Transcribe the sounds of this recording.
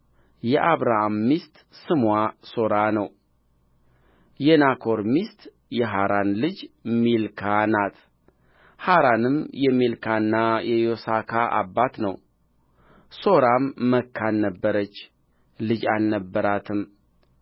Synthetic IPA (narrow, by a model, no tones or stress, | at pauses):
jɛʔaβɾahamːist̪sɨmwaso̞ɾanəw | jɛnakʰo̞ɾmist̪ | jɛɦaɾanlɨd͡ʒmilkʰanat̪ | haɾanɨmjɛmilkʰanːajɛjosakʰaʔa̰bːat̪nə̰w | soɾamːəkʰːalnəbːəɾət͡ʃː | lɨd͡ʒalnəbːəɾat̪ʰɨm